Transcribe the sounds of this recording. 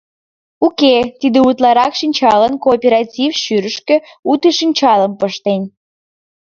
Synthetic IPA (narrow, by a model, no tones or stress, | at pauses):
uket̪id̪eut̪lɑɾɑkʃinʲt͡ɕɑlənkoːpʲeɾɑtʲifʃyɾəʃkø̆ut̪əʃinʲt͡ɕɑləmpəʃt̪enʲ